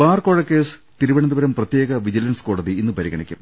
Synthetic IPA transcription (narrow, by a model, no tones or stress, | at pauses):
baːrko̞ːɻɐkːeːst̪iɾuʋɐɳɐnd̪ubɐɾɐmprɐt̪jeːɣɐʋid͡ʑilɐnsko̞ːɽɐðiinːɨpɐɾiɣɐɳikʲːum